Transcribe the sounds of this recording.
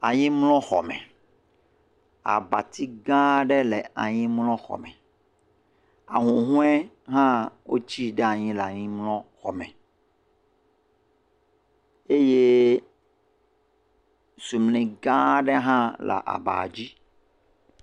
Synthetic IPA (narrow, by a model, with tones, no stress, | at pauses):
a˨ɲĩ˦mlɔ̃˦xɔ̰˨mɛ̰̃˨ | a̰˨ba˨t̪i˦ɡã˦ɖɛ˦lɛ˨a˨ɲĩ˦mlɔ̃˦xɔ̰˨mɛ̃˨ | a˨ɦũ˨ɦũ˦ɛ˦ | ɦã˦wo˦t͡ɕi˦ɖe˦a˨ɲĩ˦lɛ˨a˨ɲĩ˦mlɔ̃˦xɔ˨mɛ̃˨ | e˦je˦ | su˨mlĩ˨ɡã˦ɖɛ˦ɦã˦la̰˨ʔa̰˨ba̰˨d͡ʑi˦